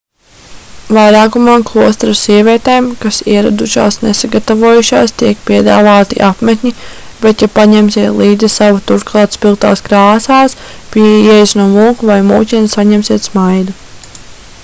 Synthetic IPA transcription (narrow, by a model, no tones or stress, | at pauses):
vajɾaːkumamklˠuɔst̪ɾasiɛvʲiɛt̪eːmkasiɛɾad̪uʃa̰ːsnesaɡat̪avuɔjuʃaːst̪iɛk̚piɛd̪a̰ːvaːt̪ḭʔapmet̪ʲɲibɛt̪japaɲɛmsiɛt̪lˠiːd̪zisavut̪uɾklˠɑːt̪spilˠt̪a̰ːskɾaːsaːs | piɛjsnuɔmuːkuvajmṵːcʲɛnsaɲɛmsiɛt̪smajd̪u